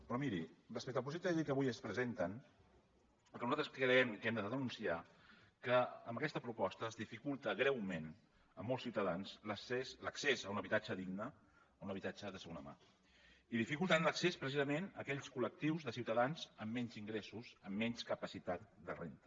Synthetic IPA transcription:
pɾɔmiɾirəspɛk̚t̪əlˠp̬uzit̪əʒikəβujəspɾəzent̪ən | pəlkənuzat̪ɾəslikəɾɛmkɛmd̪əðəðənunsiakəəmbəkɛst̪əpɾupɔst̪əːzðifikulˠt̪əɣɾɛwmen | ə̰mɔlˠsiwt̪əðanzləsesləksezəunəβit̪ad͡ʒəðiɡnəː | unəβit̪ad͡ʒəðəsəɣonəma̰ | iðifikulˠt̪ənləksespɾəsizəmenəkɛʎskulək̚t̪iwzðəsiwt̪əðanzəmːɛɲziŋɡɾɛsuzəmːɛɲskəpəsit̪at̪̚d̪ərḛnt̪ə

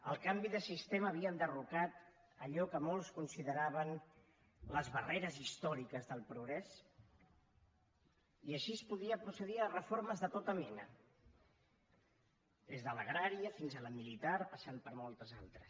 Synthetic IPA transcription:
ə̰lˠkambiðəsist̪eməːβiəənd̪ərukat̪ | əʎɔkəmolˠskunsiðəɾaβən | ləzβəreɾəzist̪ɔɾikəzðəlˠpɾuɣɾɛs | iəʃispuðiəpɾusəðiərəfoɾməzðət̪ot̪əmɛnə̰ | d̪ezðələɣ̞ɾaɾiəfinzələmilit̪aɾpəsanpəɾmolˠt̪əza̰lˠt̪ɾəs

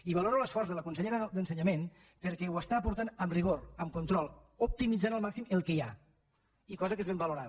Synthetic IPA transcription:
iβəloɾoləsfɔrzðələkunsəʎeɾəd̪ənsəɲəmen | pəɾkɛwəst̪aːpuɾt̪anəmriɣ̞oɾəmkunt̪ɾɔlˠup̚t̪imid͡zanəlˠmaksiməlˠkəja̰ | ikɔzəkezβembəluɾað

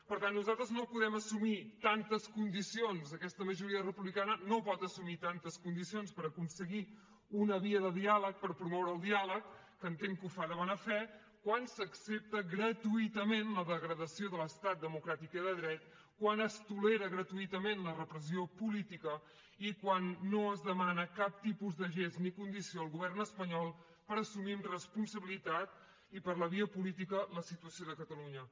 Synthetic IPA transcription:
pəɾt̪anːuzalˠt̪ɾəznopuðɛməsumit̪ant̪əskund̪isionzəkɛst̪əməʒuɾiərəpuβlikanənopɔt̪əsumit̪ant̪əskund̪isionspəɾəkunsəɣi | unəβiəðəðialək̚pəɾpɾumɔwɾəːlˠd̪ialəkː | ənt̪eŋkufaðəβɔnəfɛ | kwansəksep̚t̪əɣɾət̪uit̪əmenləðəɣɾəðəsioðələst̪at̪̚d̪əmukɾat̪ikiðəðɾɛt̪ | kwanəst̪uleɾəɣɾət̪uit̪əmenlərəpɾəsiopulit̪ikə | ikwanːoəzðəmanəkap̚t̪ipuzd̪əʒeznikund̪isioəlˠɣuβɛrnəspəɲɔlˠ | pəɾəsuminrəspunsəβilit̪at̪ | ipəɾləβiəpulit̪̬ikələsit̪uəsioðəkət̪əluɲə

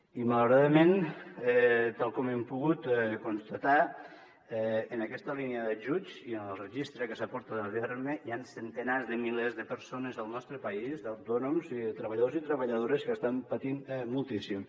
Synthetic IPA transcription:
imələwɾaðəmenɛt̪alˠkɔmempuɣut̪konst̪at̪a | ɛənəkɛst̪əliniəðəʒud͡ʒiənəlrəʒist̪ɾəkəsapɔɾt̪əðəβeɾmejansənt̪ənazðəmilezðəpəɾsonəzəlˠnɔst̪ɾəpɐizd̪awt̪ɔnumzit̪ɾəβaʎaðozit̪ɾəβəʎaðoɾəskəst̪ampat̪immulˠt̪isim

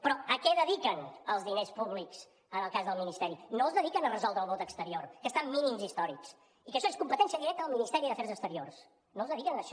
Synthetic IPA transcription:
pɾɔəkɛðəðikənəlˠzðinespuβliks | ənəlˠkazðəlˠminist̪ɛɾinoəzðəðikənərəzɔlˠd̪ɾəlˠβot̪əkst̪əɾiorkəst̪amːinimzist̪ɔɾḭks | ikəʃɔeskumpət̪ɛnsiəðiɾɛk̚t̪əðəlˠminist̪ɛɾiðəfɛɾzəkst̪əɾio̰rs | nozðəðikənəʃɔ

